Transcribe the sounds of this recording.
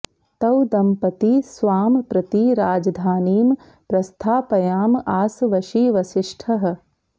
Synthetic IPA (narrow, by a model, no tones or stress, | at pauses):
t̪ɐwd̪ɐmpɐt̪isʋaːmpɾɐt̪iɾaːd͡ʒɐd̪ʱaːniːm | pɾɐst̪ʰaːpɐjaːmaːsʋɐʃiːʋɐʃɪʂʈʰɐɦɐ̆